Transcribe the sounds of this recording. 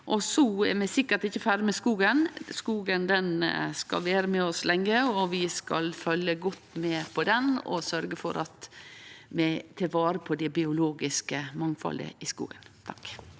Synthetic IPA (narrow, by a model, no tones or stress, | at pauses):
ʔɔsɔɛɾmɛsɪkːəɾt̪ɪçːəfæɾmɛskuːɡənskuːɡənd̪ɛnskɑ̰lʋeːɾəmɛɔslɛŋːəɔʋɪskɑ̰lfœljəɡɔt̪ːmɛpʰɔd̪ɛnɔ̰sœɾɡəfɔ̰ɾʔɑt̪ | mɛt̪ʰɪlʋɑːɾəpʰɔd̪ɛbɪʊloːɡɪskəmɑŋfɑ̰lə̰ɪskṵːɡənt̪ʰɑk